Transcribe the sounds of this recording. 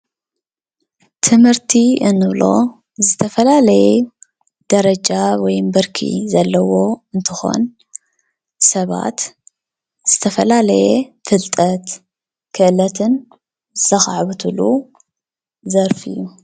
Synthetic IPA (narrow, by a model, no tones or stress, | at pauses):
t̪ʰɨmhɨɾt̪ʰiɨnːɨβlo̞̰ | zɨt̪ʰɐfɐlalɐjɛ | d̪̥ɐɾɐd͡ʒawɔjmbɨɾkʰḭzɐlːɐwo̞ɨnt̪ʰɨxo̞̰n | sɐβa̰t̪ | z̥ɨt̪ʰɐfɐlalɐjɛfɨlt̪ʼɐt̪ | kʰɨʔɨlɐt̪ʰɨn | zɨzɐxaʕβɨt̪ʰulu | zɐɾfɨ̰jːu